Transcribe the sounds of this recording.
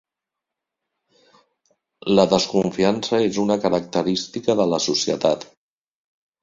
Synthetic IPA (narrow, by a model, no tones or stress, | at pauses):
ləðəskuɱfiansəezunəkəɾək̚t̪əɾist̪ikəðələsusiə̰t̪at̪